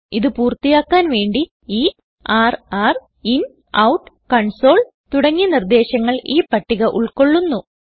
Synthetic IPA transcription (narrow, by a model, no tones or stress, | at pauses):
iðɨpuːrt̪ːijaːkːaːnʋe̞ːɳɖi | iː | aːraːr | in | ɐwʈː | kɐɳso̞ːɭ | t̪uɽɐŋːinird̪e̞ːɕɐŋːɐɭiːpɐʈːiɣɐʔuɭko̞ɭːunːu